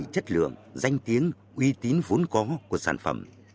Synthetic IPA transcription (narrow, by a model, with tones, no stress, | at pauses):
t͡ɕə˦˥t̚lɨ̰˧˨əŋza˧jŋ̟t̪i˨˦əŋ | ʔwi˧t̪i˨˦nvo˨˦ənkɔ˨˦ku˧˩əsa̰ː˧˩nfə̰˧˩m